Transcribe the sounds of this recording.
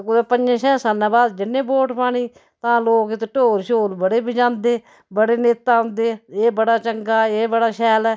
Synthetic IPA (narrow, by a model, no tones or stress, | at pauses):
kʊd̪eːpənd͡ʒẽːʃɛ̃ːsanːãːbaːd̪d͡ʒɪnːẽːboːʈpaːɽ̃iː | t̪ãːloːkɪt̪eʈoːɾʃoːlbəɽeːbid͡ʒãːnd̪eː | bəɽeːneːt̪ːaːɦʊ̃nd̪eːeːbəɽaːt͡ʃəŋɡaːeːbəɽaːʃɛːlɛː